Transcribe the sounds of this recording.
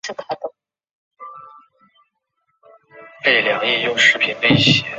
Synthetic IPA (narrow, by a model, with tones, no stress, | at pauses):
kʰa˥˩t̪o˩ | fe˥˩ɪljɑ˨˩ŋi˥˧˩jʊ˥˧ŋʂɻ̩˥˩pʰi˨˩nle˥˩ɪɕjɛ˧˥˦